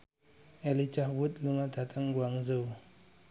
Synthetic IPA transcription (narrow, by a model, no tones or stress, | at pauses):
elit͡ʃahwutluŋatataŋɡwaŋzəw